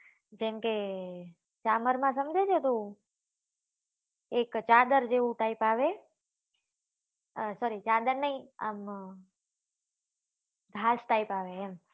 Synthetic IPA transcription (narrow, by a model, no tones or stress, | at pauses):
d͡ʒemke | t͡ʃaməɾmãsəmd͡ʒet͡ʃʰet̪ũ | ekt͡ʃad̪əɾd͡ʒeʋũʈ̪aipaʋe | sɔɾit͡ʃad̪əɾnəĩa̰m | ɡ̪ʱasʈaipaʋeːm